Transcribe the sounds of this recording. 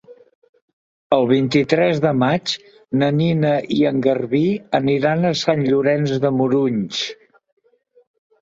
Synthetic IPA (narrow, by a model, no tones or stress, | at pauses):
əlˠβ̞int̪it̪ɾɛzðəmat͡ʃ | nəninəʔiəŋɡərβiəniɾanəsanʎuɾɛnzðəmuɾuɲt͡ʃ